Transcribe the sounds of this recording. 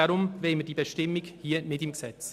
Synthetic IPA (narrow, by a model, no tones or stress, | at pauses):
aɾʊmveːməd̥iːbəʃtɪmɪɡhiːnɪtɪmɡəsɛt͡s